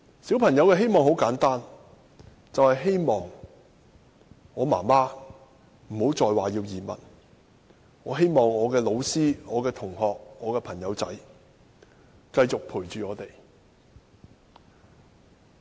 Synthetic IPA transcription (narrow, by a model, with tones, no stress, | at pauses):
siː˨˥wpʰɐ˨˩ŋjɐ˨˧wkɛː˧ɦe˥jmɔː˨ŋho˨˥wkaː˨˥nt̪aː˥n | t͡sɐ˨whɐ˨jɦe˥jmɔː˨ŋ | ŋɔː˨˧ma̰ː˨˩maː˥ | m̩˨˩ho˨˥wt͡sɔː˨jwaː˨jiː˧wjiː˨˩mɐ̰˨˩n | ŋɔː˨˧ɦe˥jmɔː˨ŋɔː˨˧kɛː˧lo˨˧wsiː˥ŋɔː˨˧kɛː˧t̪ʰʊ˨˩ŋhɔː˨˧k̚ŋɔː˨˧kɛː˧pʰɐ˨˩ŋjɐ˨˧wt͡sɐ̰˨˥j | kɐ˧jt͡sʊ˨k̚pʰuː˨˩jt͡ʃyː˨ɔː˨˧t̪e˨˩j